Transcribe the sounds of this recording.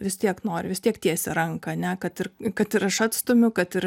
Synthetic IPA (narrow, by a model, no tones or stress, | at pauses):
ʋʲɪst̪ʲiɛknoːɾʲʋʲɪst̪ʲiɛkt̪ʲiɛsʲɛɾɐŋkɐːnʲɛkɐt̪ɪrkɐt̪ɪɾɐʃɐt̪st̪oːmʲʊkɐt̪ɪr